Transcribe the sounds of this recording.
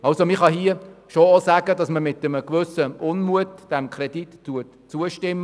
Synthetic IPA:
ɑlsomɪχɑhiəʃoosæːɡ̥əd̥ɑsməmɪtəməkʋʏsəʔʊnmuətd̥ɛmkʰɾɛd̥itːuət | t͡suəʃtɪmːə

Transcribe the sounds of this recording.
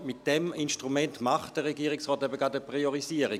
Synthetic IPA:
mitd̥ɛminʃtʁumɛntmaχt̚d̥əʁeɡiːʁiksʁɔːtɛbəɡɑdəpʁioʁiziːəʁi

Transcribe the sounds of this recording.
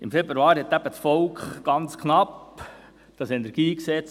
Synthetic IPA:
ɪmfebɾuɑːɾhɛt̪æb̥ət͡sfɔlkχɡ̥ɑnt͡skχnɑp | d̪̥ɑsɛnɛɾɡ̥iːksɛt͡s

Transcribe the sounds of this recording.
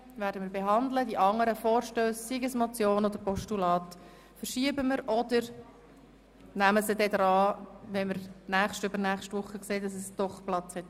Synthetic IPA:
væːɾdəməːɾbeɦɑndlədiʔɑŋːəɾəfɔːɾʃtøːst͡siɡəsmɔt͡sjoːnɔd̥əɾpɔʃtulɑːt | fəɾʃiəbəməɾʔɔdəɾ | næməsədɛd̪ɾɑːʋɛməɾnæχʃtʏbəɾnæːχʃtʋʊχːəkseːd̥ɑsɛsd̥ɔχplɑt͡shɛt

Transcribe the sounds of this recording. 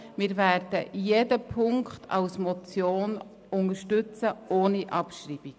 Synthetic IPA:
mɪɾvæːɾd̥əʔijedəpʰʊŋkχtʰɑ̰wsmɔt͡sjoːn | ʊŋəʃtʉt͡səoːniʔɑpʃriːb̥ik

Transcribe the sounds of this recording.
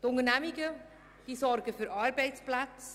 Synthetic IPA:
tʊŋənɛmɪɡə | d̥iːsɔrɡəfyːɾɑɾbɛɪt͡splat͡s

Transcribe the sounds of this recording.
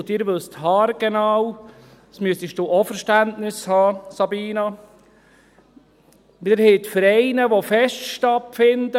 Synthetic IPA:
dɪːɾʋɵsthɑːɾɡ̥ɛnɑːw | smyəst̪iʃtoʔofəɾʃtæntnɪshɑːsɑbiːnɑ | ʋɪəɾhɛt̪fəɾɛɪnəʋofɛʃtʃtɑtfɪnd̪ə

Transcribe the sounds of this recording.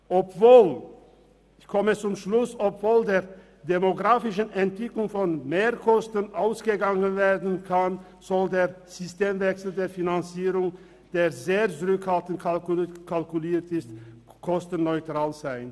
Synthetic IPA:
ʔɔpv̥oːl | ɪçkʰɔmət͡sʊmʃlʊsɔpv̥oːldeːɐ | demoɡʁaːfɪʃ̬ənɛntv̥ɪklʊŋfɔnmeːɐkʰɔstənʔaʊsɡ̥əɡaŋənveːɐdn̩kʰan | z̥ɔldeːɐ | z̥ʏsteːmvɛksl̩deːɐfinant͡siːʁʊŋ | d̥eːɐzeːɐt͡sʊʁʏkhaltn̩tkʰalkkʰalkuliːtɪst | kʰɔstənːɔʏtʁ̥aːlzaɪn

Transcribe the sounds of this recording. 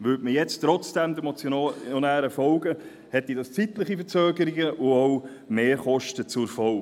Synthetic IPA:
ʋʉːtməjɛt͡stɾɔt͡sd̥æmd̪əmɔt͡sjɔnæːɾəfɔwɡə | hɛt̪ːidɑst͡sitləχifəɾt͡søːɡəɾiɡəʔʊɔw | meːɾχɔʃtət͡sʊɾfɔl

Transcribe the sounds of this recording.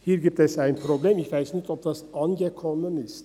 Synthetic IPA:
hiːɾɡip̚t̪ɛsæjnpʰɾobleːmiçvæjsnɪçt̪ɔp̚d̪ɑsɑnɡəkʰɔmənɪst̪

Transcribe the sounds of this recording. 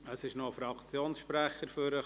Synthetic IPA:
əsɪʃnofɾɑkt͡sjoːnsʃpɾæχəɾfʏɾə

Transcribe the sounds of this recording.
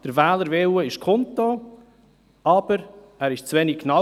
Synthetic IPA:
d̥əɾvɛːləɾveːwəɪʃkʰɔntːo | ɑːb̥əɾ | æːɾɪʃt͡svɛnɪkʰːnɑ

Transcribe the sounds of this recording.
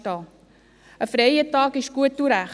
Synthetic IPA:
tɑ | əfɾejətɑːkɪʃɡ̥uət̚ːuɾæχ

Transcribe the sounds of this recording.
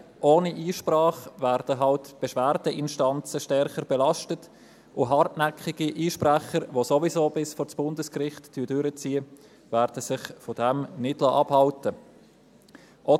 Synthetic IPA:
ʔoːniʔiːʃprɑːχvæːɾd̥əɦɑltb̥ɛʃvæːɾdəʔɪnʃtɑnt͡səʃtɛɾχəɾb̥ɛlɑʃtət | ʔʊɦɑrtnækχɪɡiʔiːʃpræχəɾʋosovizoːbɪsfɔɾt͡sb̥ʊndəskrɪχtːd̥yːdʏɾət͡siːə | væːɾd̥əsɪχfɔd̥ɛmnɪd̥lɑʔɑbhɑltə | ʔɔ

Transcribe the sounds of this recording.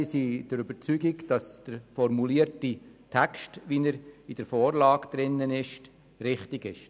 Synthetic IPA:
siːd̥əɾyb̥əɾt͡syɡiɡd̥ɑsd̥əɾfɔɾmuliːəɾtitʰækʃtʋiːnəɾid̥əɾfoːɾlɑːɡd̪̥ɾɪnːənɪʃ | ɾɪχtiɡɪʃ

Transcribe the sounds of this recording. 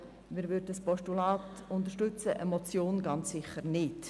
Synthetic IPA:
mɪːɾvʏddəspɔʃtulɑːtʊntəɾʃtʏt͡səʔəmɔt͡sjoːnɡɑnt͡ssɪχəɾnɪt

